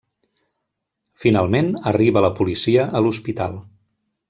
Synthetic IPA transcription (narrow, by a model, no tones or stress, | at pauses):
finalˠmenəriβələpulisiəʔəluspit̪a̰lˠ